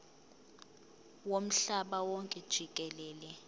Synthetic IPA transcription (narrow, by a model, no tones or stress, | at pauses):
wom̩ɬaɓawɔŋkʼɛd̥ʒ̥ʱik̬ʼɛlɛːlɛ